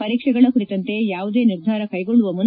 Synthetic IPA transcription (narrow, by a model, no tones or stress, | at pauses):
ɐɾiːkʂɛɡɐɭɐkuit̪ɐnt̪e̞jaːʋud̪e̞ːniɾd̪ʱaːɾɐkɐjɡoɭːuʋɐmun